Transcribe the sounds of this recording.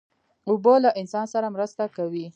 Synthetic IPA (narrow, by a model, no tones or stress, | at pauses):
ʊbolaʔɪnsɑnsaɾamɾəst̪akawi